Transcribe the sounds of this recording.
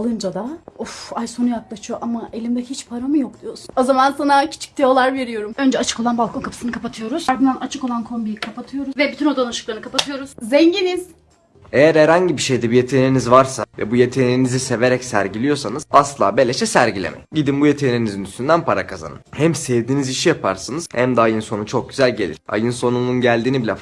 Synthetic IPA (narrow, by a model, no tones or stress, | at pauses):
alˠɯnd͡ʒad̪aufajso̞nujaklˠaʃɯjo̞ʔamaʔelʲimd̪ecʰihit͡ʃpʰaɾamɯjok̚d̪ijo̞suno̞zamansanacʰi̥t͡ʃʰi̥c̚t̪ʰejolˠaɾve̞ɾijo̞ɾumø̞nd͡ʒɛat͡ʃʰɯ̥ko̞lˠanbalˠkʰo̞nkʰapʰɯ̥sɯnɯkʰapat̪ʰɯjo̞ɾuz̥aɾd̪ɯnd̪anat͡ʃʰɯko̞lˠankʰo̞mbikʰapat̪ʰɯjo̞ɾuvɛbyt̪ʰyno̞d̪anaʃɯklˠaɾnɯkʰapat̪ʰɯjo̞ɾuz̥zɛɲɟiniz̥ | e̞jæɾhæɾhaɲɟibiʃe̞jd̪ɛbijet̪ʰe̞ninizvaɾsavɛ̰buje̞t̪ʰe̞ninizise̞ve̞ɾɛcsæɾɟilʲijo̞sanɯz̥aslˠa̰ːbe̞lʲeʃɛsæɾɟilʲḛmɛ̰ɟid̪inbujet̪ʰeninizinyst̪ʰynd̪ænpʰaɾakʰaza̰nɯ̰nhæmsɛvd̪iːniziʃijapʰa̰ɾsanɯz̥hæmd̪ɛajɯnso̞nut͡ʃʰo̞k̚ɟyzælʲɟe̞lʲiɾ̥a̰jɯnso̞nununɟælʲd̪iːnibilʲɛf